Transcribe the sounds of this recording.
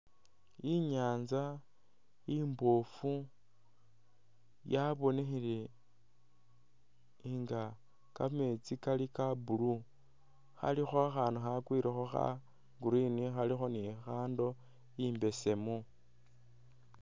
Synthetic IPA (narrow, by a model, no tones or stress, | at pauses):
iɲaːnza | imbofu | jaβo̞nexili | iŋɡa | kamet͡sikalikabulu | xa̰lixoaxaːnduxakwiɾixoxa̰ | ɡuɾinixalixo̞nixaːndo | imbe̞se̞mu